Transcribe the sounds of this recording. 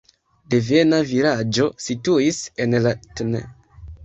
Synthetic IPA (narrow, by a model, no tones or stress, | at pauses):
devenaviɾad͡ʒo̞situisenlatnḛ